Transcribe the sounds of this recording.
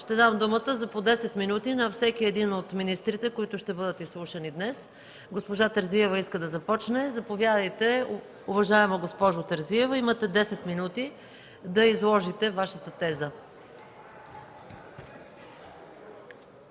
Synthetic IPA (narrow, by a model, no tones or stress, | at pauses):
ʃt̪ɛd̪amd̪umət̪əzɐpod̪ɛsɛt̪minut̪inɐfsɛkiɛd̪inot̪minist̪ɾit̪ɛkoit̪ʊʃt̪ɛbɤd̪ət̪islˠuʃənid̪nɛs | ɡospoʒat̪əɾziɛvɐiskəd̪ɐzɐpɔt͡ʃnɛzɐpovjad̪ɐjt̪ɛ | ʊvɐʒaɛmoɡospɔʒʊt̪əɾziɛvɐimət̪ɛd̪ɛsɛt̪minut̪i | d̪ɐizlˠɔʒit̪ɛvaʃət̪ət̪ɛzə